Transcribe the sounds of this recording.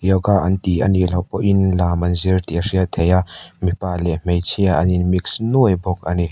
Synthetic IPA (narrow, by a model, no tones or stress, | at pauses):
jɔwɡaʔɐnt̪iɐ̰nilɐwpɔʔinlamɐnziɾt̪iasiat̪ʰejaʔmipalɛm̥ejt͡sʰiaʔɐninmiksnuəjbɔk̚ani